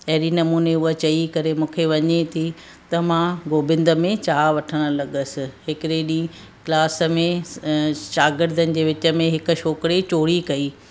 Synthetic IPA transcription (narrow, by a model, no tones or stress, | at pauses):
ɐɦɪɾinɐmuːneʊɦət͡ɕɐikɐɾemũːkʰeʋɐɲet̪ʰi | t̪ɐmãɡoːbɪ̃nd̪ə̆mẽt͡ɕaːʋɐʈʰəɽ̃ə̆lɐɠəsɪ̆hɪkɪɾeɗĩː | klaːsə̆mẽ | ʃaːɡɪɾd̪ʱənɪ̆d͡ʑeːʋɪt͡ɕə̆mẽɦɪkʊ̆ʃoːkɪɽet͡ɕoːɽikɐiː